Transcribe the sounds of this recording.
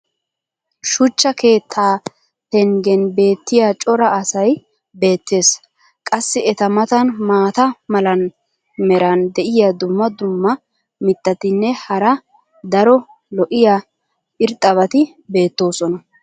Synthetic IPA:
ʃʊt͡ʃːɐke̞ːt̪ʰːaː | t̪ɛŋɡɛnbe̞ːt̪ːɪjat͡ʃʼɔɾɐːsɐj | be̞ːt̪ːe̞ːs | kʼɐsːɪɛt̪ɐmɐt̪ɐnmaːt̪ɐmɐlɐn | mɛɾɐnd̪ɛʔɪjad̪ʊmːɐd̪ʊmːɐ | mɪt̪ːɐt̪ɪnːɛhɐɾɐ | d̪ɐɾɔ | lɔʔɪja | ɪɾt̪ʼːɐβɐt̪ɪ | be̞ːt̪ːo̞ːsɔnɐ

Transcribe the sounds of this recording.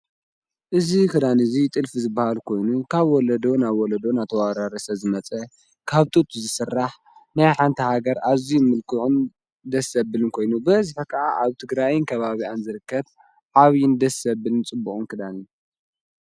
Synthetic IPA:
ʔɨzikʰɨd̪anɨzit̪ʼɨlfizɨbːahalkʰo̞jnukʰaβwɔlɐd̪onaβwɔlɐd̪onat̪ʰɐwaɾaɾɐsɐzɨmɐt͡sʼɐ | kʰaβt̪ʼut̪ʰʼuzɨsɨrːaħ | najħant̪ʰɐhaɡɐɾaβzimɨlkʰɨʕun | d̪ɐsɐbɨlɨnkʰo̞jnubɐzɨħakʰaʔaʔaβt̪ʰɨɡɾajnkʰɐβaβianzɨɾɨkːɐt | ʕaβjɪnd̪ɐsɐbɨlɨnt͡sʼɨbːuχʼunkʰɨd̪ani

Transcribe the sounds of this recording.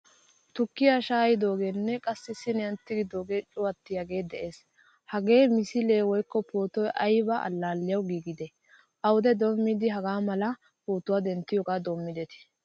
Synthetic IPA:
t̪ʊkːɪjaʃaːjɪd̪o̞ːɡenːɛkʼɐsːɪsːɪnɛɐnt̪ːɪɡɪd̪oːɡet͡ʃʼʊɐt̪ːɪjɐɡe̞ːd̪ɛʔe̞ːs | hɐɡe̞ːmɪsɪleːwɔjkːɔpoːt̪ɔjʔɐjbɐʔɐ̰lːaːlːɪjɐwɡiːɡɪd̪ɛ | ʔɐwʊd̪ɛd̪omːɪd̪ɪɦɐɡaːmɐlɐ | poːt̪ʊwaːd̪ɛnt̪ːɪjoːɡaːd̪oːmːɪd̪ɛt̪ɪ̥

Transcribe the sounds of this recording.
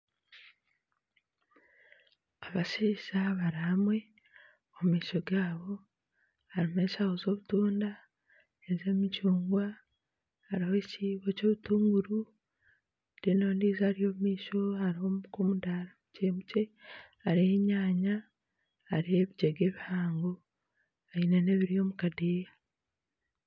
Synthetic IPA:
aβasisaβaɾihamwe̞ | omumiːʃo̞ɡaːβo̞ | haɾimeːʃahozo̞ːβutuːnda | eze̞ːmicuːŋɡwa | aɾihociβoco̞ːβutuːŋɡuɾu | dinoːndiːzaːɾijo̞umiːʃo̞aɾihomkomudaːɾamuceːmuce̞ | aɾieɲaːɲaː | ɾieβiɟeɡe̞ːβihaːŋɡo | ainene̞βiɾijo̞mukadeːja

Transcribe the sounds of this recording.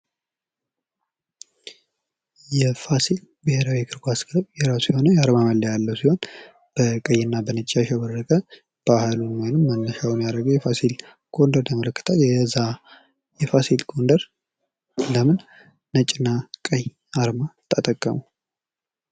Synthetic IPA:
jɛfasil | bɨheɾawikʰɨɾɡaskʰləβjɛɾasujho̞nəjaɾmaməlːəjalːəwsiho̞n | b̥əkʼəjːɪnːabənət͡ʃʼːaʃɛbərːəkʼə | b̥ahlunwojnɨmːənːəʃawunjaɾəɡəwjɛfasil | ɡ̥o̞nd̪əɾt̪ʰəmələkːɨ̥t̪ʰaljɛza | jɛfasilɡʰond̪əɾ | ləmɨn | nət͡ʃʼɪnːakʼəj | aɾmat̪ʰːat̪ʼəkʼːəmu

